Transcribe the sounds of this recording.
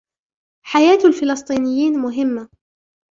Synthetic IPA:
ħajaːt̪alfɪlɑsˤt̪ˤiːnɪjːiːnmʊɦɪmːa

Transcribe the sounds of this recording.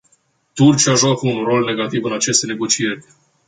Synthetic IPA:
t̪urt͡ʃiaʒuafunro̞lne̞ɡat̪ivɨnat͡ʃe̞st̪ene̞ɡo̞t͡ʃije̞rʲ

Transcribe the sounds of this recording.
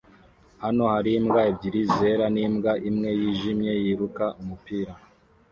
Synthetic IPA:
hano̞haɾimɡaibɟiɾize̞ɾanimɡaʔimŋe̞jiʒimɲe̞jiɾukaʔumupiːɾa

